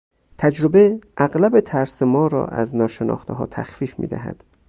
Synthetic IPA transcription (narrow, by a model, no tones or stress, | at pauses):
t̪ʰæd͡ʒɾobeʔæɣlæbe̞t̪ʰæɾsemɒːɾɒ̰ːʔæ̰znɒːʃe̞nʔɒ̰ːxt̪ʰeɦɒ̰ːt̪ʰæ̰xfiːfmḭːd̪æɦæ̰d̪̥